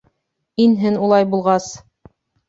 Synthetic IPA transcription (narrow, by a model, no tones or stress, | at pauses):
inɦɘnulˠɑjbulˠʁɑs